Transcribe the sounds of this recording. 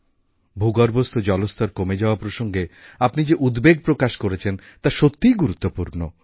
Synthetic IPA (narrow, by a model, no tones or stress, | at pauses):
bʱuɡaɾbost̪ʰod͡ʑɔlost̪ʰaɾkomed͡ʑaoapɾoʃoŋɡeapnid͡ʑeʔud̪beɡ̚pɾokaʃkoɾet͡ɕʰen | t̪aʃot̪ːijɡuɾut̪ːopuɾno